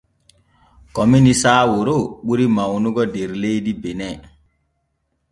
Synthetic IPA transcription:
kɔminisaːwoɾoɓuɾimawnuɡɔdeɾlejdibenɛ

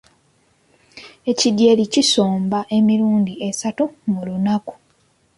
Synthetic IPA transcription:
e̞cidje̞licisoːmbaʔe̞miɾuːndiʔesatumulunaku̥

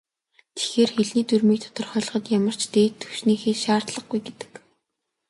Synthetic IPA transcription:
t̪ʰe̥xeːrxeɮniːt̪urmiːkt̪ʰɔ̥t̪ɞ̆rχœːɮ̆χɞ̆t̪jamə̆r̥t͡ɕt̪eːt̪ʰːɵwʃniːxeːʃaːrt̪ɮə̆χɡujɡet̪ɘ̥̆k

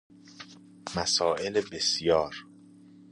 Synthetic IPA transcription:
mæsɒːʔelebesjɒːɾ

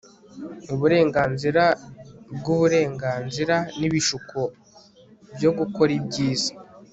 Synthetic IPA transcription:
uβuɾe̞ːŋɡaːnziɾabɡuβuɾe̞ːŋɡaːnziɾaniβiʃukʰo | bjo̞ɡuko̞ɾibɟiːza

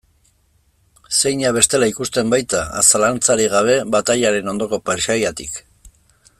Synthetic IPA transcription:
se̞jɲaβ̞e̞st̪e̞laikust̪e̞mbajt̪aa̰salant͡saɾiɣaβ̞e̞βat̪aʎaɾe̞no̞nd̪o̞ko̞peɾʃajat̪ik

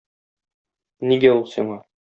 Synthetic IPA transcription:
niɡæulˠsiɴɑ

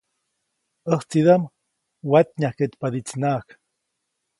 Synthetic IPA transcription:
əht͡sid̪am | wat̪̚ɲahket̪pad̪it͡snak

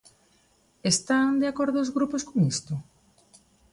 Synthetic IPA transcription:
est̪aŋd̪eakoɾðʊːzɣɾuposkoŋist̪ʊ

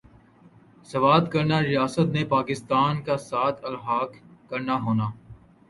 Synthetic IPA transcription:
sɐʋaːd̪kɐɾnaɾɪjaːsət̪nepaːkɪst̪aːnkasaːt̪ʰɐlɦaːkkɐɾnaɦoːnaː

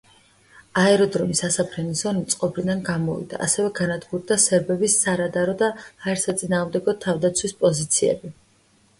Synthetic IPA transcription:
aɛɾɔd̪ɾɔmisasapʰɾɛnizɔnit̪sʼqʼɔbɾid̪anɡamɔvḭd̪a̰ʔːsɛvɛɡanad̪ɡuɾd̪asɛɾbɛbisːaɾad̪aɾɔd̪aːɛɾsat̪sʼinaːʁmd̪ɛɡɔt̪ʰavd̪at̪sʰwispʼɔzit̪sʰiɛ̰bi

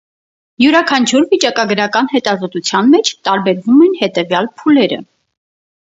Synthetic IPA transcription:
juɾɑkʰɑnt͡ʃʰuɾvit͡ʃɑkɑɡəɾɑkɑnhɛt̪ɑzɔt̪ut͡sʰjɑnmɛt͡ʃʰt̪ɑɾbɛɾvumɛnhɛt̪ɛvjɑlpʰulɛɾə̰

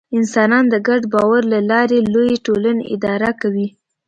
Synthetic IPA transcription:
ɪnsɑnɑnd̪əɡaɖbɑwaɾlalɑɾelojeʈolanḛʔɪ̰d̪ɑɾakawi

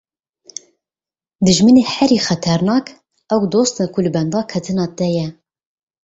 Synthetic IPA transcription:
d̪ɨʒmɨneːhɛɾiːxɛt̪ʰɛɾnɑːk | ɛwd̪oːst̪nɛkʰulɨbɛnd̪ɑːkʰɛt̪ʰɨnɑːt̪ɛjɛ

